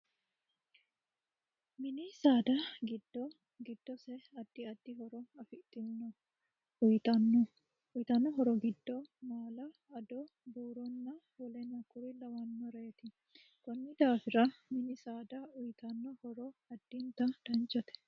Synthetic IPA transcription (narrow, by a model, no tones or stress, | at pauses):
mɪnɪsaːd̪ɐɡɪd̪ɔ | ɡɪd̪ːɔsɛɐd̪ːɪɐd̪ːɪɦɔɾɔɐfɪʔt̪ːɪnːɔ | ʊjt̪ɐn | ʊjt̪ɐnːɔɦɔɾɔɡɪd̪ːɔmaːlɐ | ɐd̪ɔ | buːɾɔnːɐ | wɔlɛnɐkːʊɾɪlɐwɐnːɔɾeːt̪ɪ | kɔnːɪd̪aːfɪɾɐmɪnɪsaːd̪ɐʊjt̪ɐnːɔhɔɾɔɐd̪̥ːɪnt̪ɐd̪̥ɐnt͡ʃːɔt̪ɛ̥